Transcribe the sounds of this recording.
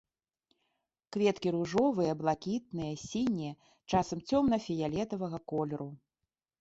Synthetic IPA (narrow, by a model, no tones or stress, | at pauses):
kvʲɛt̪kʲiɾuʐɔvɨjɐblˠakʲit̪̚nɨjɐsʲinʲijɛ | t͡ʂasɐmt͡sʲɔmnɐfʲijalʲɛt̪ɐvɐɣɐkɔlʲɛɾu